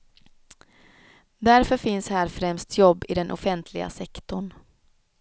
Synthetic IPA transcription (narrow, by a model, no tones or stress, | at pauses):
d̪æɾfœɾfɪnshæːɾfɾɛmst̪ʰjɔbːɪd̪ɛnʔɔ̰fɛnt̪ʰlɪɡa̰sɛkt̪ʊɳ